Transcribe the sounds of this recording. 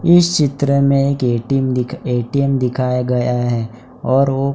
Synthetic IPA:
ɪst͡ʃɪt̪ɾəmẽeːkeʈimd̪ɪeːʈijəmd̪ɪkʰaːjaɡɐjaɦɛː | ɔːɾʋo

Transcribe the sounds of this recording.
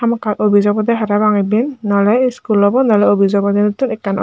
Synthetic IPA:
amɔkatobʱizɔɡɔd̪ɛɦaɾabaŋɛbinːɔlɛskulːɔbɔnɔlɛobʱizɔɡɔd̪ɛnot̪unɛkːanɔ̰

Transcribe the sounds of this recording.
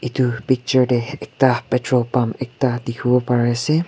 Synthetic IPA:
it̪upik̚t͡ʃɔɹdeɛk̚t̪apɛtɹopamɛk̚t̪ad̪ikʰubɔpaɹɛsɛ

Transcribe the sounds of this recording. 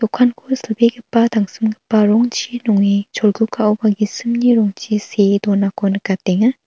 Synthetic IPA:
t̪ɔkʰankʰosʰɯlbeɡɯpːat̪aŋsɯmɡɯpːaɾɔŋt͡ɕinɔŋet͡ʃʰɔlɡukʰaʔubaɡisɯmɲiɾɔŋt͡ɕised̪ɔnakonɯkat̚eŋa

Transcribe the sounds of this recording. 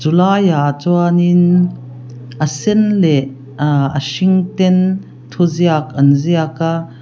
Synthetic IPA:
zulajat͡suanin | ʔəsɛnlɛʔ | ə̰ʃiŋt̪ɛn | t̪ʰuziakɐnziaka

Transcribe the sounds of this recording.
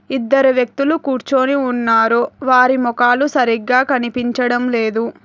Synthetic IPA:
id̪ːɐɾuʋjɐk̚t̪ulukuːɾt͡ʃoːniunːaːɾuʋaːɾimɔkaːlusɐɾiɡːaːkɐnipiɲt͡ʃɐɽɐmleːd̪u

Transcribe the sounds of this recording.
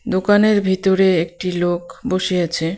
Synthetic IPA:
d̪okaneɾbʱit̪oɾeek̚ʈilokboʃiet͡ɕʰe

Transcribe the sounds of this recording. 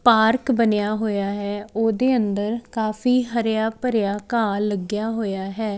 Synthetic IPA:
paːɾkbənɪjaːɦoːjaːɦɛːoːd̪eːənd̪əɾkaːfʰiːɦəɾjaːpəɾɪjaːkaːləɡjaːɦoːjaːɦɛː

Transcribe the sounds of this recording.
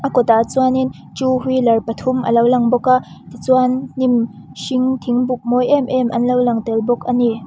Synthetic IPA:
ʔakɔt̪at͡suanin | t͡ʃuɦulɐrpɐt̪ʰumʔɐ̰lowlɐŋbɔkaʔ | t̪it͡swanːim | ʃiŋt̪ʰiŋbuk̚mɔjʔɛmʔɛmʔɐnlowlɐŋt̪ɛlbɔkani

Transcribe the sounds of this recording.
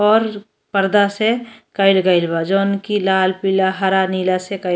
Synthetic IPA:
ɔːɾ | pəɾd̪asekəɪlɡəɪlbad͡ʒoːnkilaːlpiːlaɦəɾaniːlasekə

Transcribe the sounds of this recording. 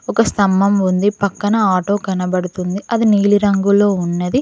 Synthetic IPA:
ɔkɐst̪ɐmːɐmund̪ipɐkːɐnɐaːʈo̞ːkɐnɐbɐɽut̪und̪iʔɐd̪iniːliɾɐŋɡulo̞ːunːɐd̪i

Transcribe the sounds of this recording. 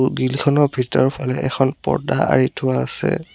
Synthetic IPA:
ɡilkʰɔnɔbʱitɔɹpʰalɛʔɛkʰɔnpɔ̰ɹdaa̰ɹitʰʊwaːsɛ̰

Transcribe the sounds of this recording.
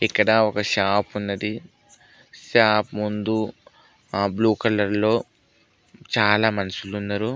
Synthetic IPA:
ikːɐɽɐɔkɐʃaːpunːɐɽi | ʃaːpmund̪u | aːbluːkɐlɐɾlo̞ː | t͡ʃaːlaːmɐnɐsulunːɐɾu

